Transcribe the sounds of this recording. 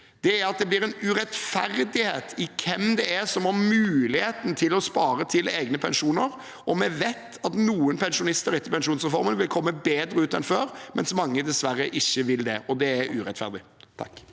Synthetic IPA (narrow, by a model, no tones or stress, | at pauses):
d̪̥ɛæɾɑt̪̚d̪ɛblɪɾɛnʉɾɛt̪fæɾd̪ɪheːt̪ʰɪkʰɛmd̪ɛæsɔmhɑɾmʉːlɪheːt̪n̩t̪ʰɪlɔspɑːɾət̪ʰɪleːɡnəpʰɛnʃuːnəɾ | ɔmɛʋet̪ɑt̪nuːənpʰɛnʃʊnɪst̪əɾɪt̪ːəpɛnʃuːnsʁɛfɔɾmənʋɪlkʰɔmːəbeːd̪ɾəʉːt̪ɛ̰nføːɾmɛnsmɑŋːəd̪ɛsʋæɾːəʔɪçːəʋɪld̪ɛ̰ʔɔd̪ɛæɾʉ̰ɾɛt̪fæ̰ʁd̪ɪ | t̪ʰɑ̰kː